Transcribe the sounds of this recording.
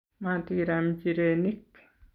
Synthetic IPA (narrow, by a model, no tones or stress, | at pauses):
mat̪iiɾamt͡ʃiɾenik